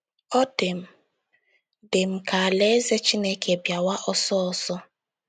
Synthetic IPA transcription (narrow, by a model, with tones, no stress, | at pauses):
ɔ˦te˨m̩˦˨ | dɪ˨m̩˨ka˨a˨le˦e˦ze˦t͡ʃi˦ne˦kʰe˨bja˨wa˦ʔɔ˦sɔ˦ɔ˨sɔ˦